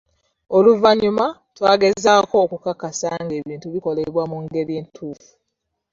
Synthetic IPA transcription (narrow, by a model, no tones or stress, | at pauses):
oluvaɲuma | twaːɡe̞zaːko̞ːkukakːasaŋɡe̞ːβiːntuβiko̞leβwamuŋɡe̞ɾje̞ːntʰuːfu̥